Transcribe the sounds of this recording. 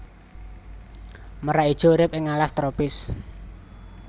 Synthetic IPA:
məɾaid̥ʒ̥ɔ̤uɾɪp̚ʔɪŋalast̪ɾopɪs

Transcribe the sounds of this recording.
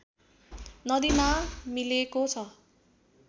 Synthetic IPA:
nʌd̪imamilekot͡sʰʌ

